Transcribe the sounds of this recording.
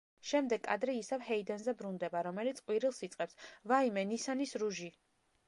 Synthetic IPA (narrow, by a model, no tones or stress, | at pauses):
ʃɛmd̪ɛɡʼa̰d̪ɾɛisavhɛid̪anzɛbɾund̪ɛbaɾɔmɛlit̪sʰʼqʼwiɾilˠsit̪sʼqʼɛpsvaimɛnisanisɾuʒi